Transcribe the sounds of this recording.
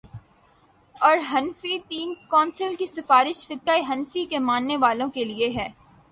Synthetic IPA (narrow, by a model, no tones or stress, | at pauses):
ɔːɾɦɐnfit̪iːnkɔːnsəlkisɪfaːɾɪʃfɪd̪̚kaːiɦɐnfikemãːnːeʋaːlõkelieɦɛː